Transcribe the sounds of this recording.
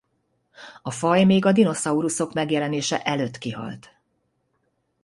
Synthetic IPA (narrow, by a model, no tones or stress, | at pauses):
ɒfɒjmeːɡɒd̪ino̞sɒuɾuso̞kmɛɡjɛlɛneːʃɛʔɛløːt̪ːkiɦɒ̰lt̪